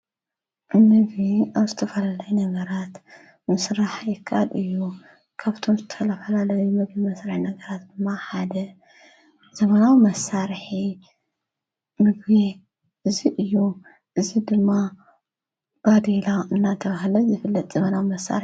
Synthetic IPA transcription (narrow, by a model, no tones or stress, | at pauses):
mɨɡβiaβzɨt̪ʰɐfɐlalɐjunɐɡɐɾat̪ | mɨsɾaħjɪkʰːa̰lɨjːu | kʰaβt̪ʰo̞mzɨt̪ʰɐlɐfɐlalɐjumɨɡbimɐsaɾħinɐɡɐɾat̪̚d̪ɨmːaħad̪ɐ | zɐmɐnawimɐsaɾħi | mɨɡbi | ʔɨziʔɨjːu | ʔɨzid̪ɨmːa | b̥ad̪elaɨnːat̪ʰɐβaɦlɐzɨfɨlːɐt̪ʼz̥ɐmɐnawimɐsːa̰ɾ